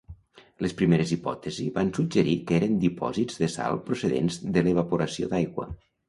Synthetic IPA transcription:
ləspɾimeɾəzipɔ̰t̪əziβansud͡ʒəɾikeɾənd̪ipɔ̰zizðəsa̰lˠpɾusəðḛnzðələβəpuɾəsio̰d̪ajɣwə̰

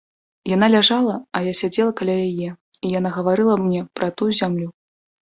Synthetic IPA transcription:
janalʲaʐalˠɐɐjasʲad͡zʲɛlˠɐkalʲajajɛ | ijanaɣɐvaɾɨlˠɐmnʲɛpɾɐt̪ujuzʲamlʲu

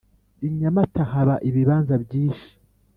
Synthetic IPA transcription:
iɲamatahaβaʔiβiβaːnzabɟiːnʃi̥

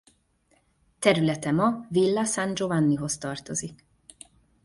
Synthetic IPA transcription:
t̪ɛɾylɛt̪ɛmɒvilːɒsand͡ʒo̞vanːiɦo̞st̪ɒrt̪o̞zik

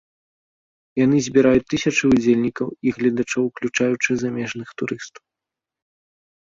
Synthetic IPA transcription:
janɨzʲbʲiɾajut͡sʲt̪ːɨsʲɐt͡ʂɨud͡zʲelʲnʲikɐwiɣlʲɐd̪at͡ʂɔwklʲut͡ʂajut͡ʂɨzamʲɛʐnɨxt̪uɾɨst̪ɐ̥w

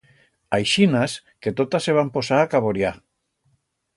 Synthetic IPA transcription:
ajʃinaske̞t̪ot̪asːeβ̞ampo̞saːkaβoɾja

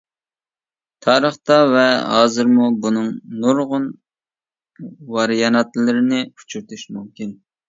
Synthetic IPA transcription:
t̪ʰɑːɾəχt̪ɑvɛɦɑ̰ːzɨɾmubunɨŋnuɾʁʊn | wɑɾjɑnɑt̪lɪɾɪnɪu̥t͡ʃʰuɾt̪ʰyʃmumkʲin

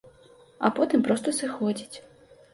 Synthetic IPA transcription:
ɐ̰pɔt̪ɨmpɾɔst̪ɐsɨxɔd͡zʲit͡sʲ

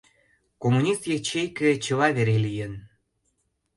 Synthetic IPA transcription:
komunʲist̪jet͡ɕejket͡ɕə̆lɑβeɾelijən

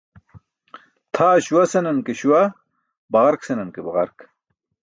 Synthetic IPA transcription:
t̪ʰaːɕuwɐsenɐnkeɕuwɐ | bɐʁɐɾksenɐnkebɐʁɐɾk

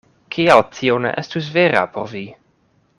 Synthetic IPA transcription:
kʰialtʰionḛʔestus̬veɾa̰poɾvi

